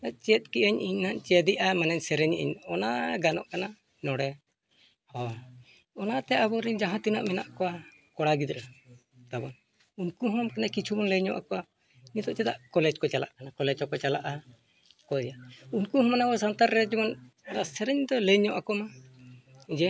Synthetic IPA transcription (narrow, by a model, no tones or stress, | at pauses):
at͡ʃiɛt̪̚kiʔaɲʔiɲnaʔt͡ʃɛad̪iʔamanɛɲsɛɾɛɲʔḭɲɔnaɡanɔ̰ʔkana | nɔɽɛ | hɔ | ɔnat̪ɛʔabɔɾiɲd͡ʒaɦãt̪ina̰ʔmɛna̰ʔkɔwa | kɔɽaɡid̪ɾa | t̪abɔn | unkuɦɔmkanakit͡ʃʰubɔnleɲɔʔa̰kɔwa | ɲit̪ɔʔt͡ʃɛd̪aʔkɔlɛd͡ʒkɔt͡ʃala̰ʔkanakɔlɛd͡ʒɔkɔt͡ʃalaʔa | kɔɛjaunkuɦɔmanabɔsant̪aɾːɛd͡ʒɛbɔnaɾaʔsɛɾɛɲd̪ɔlɛɲɔʔakɔma | d͡ʒɛ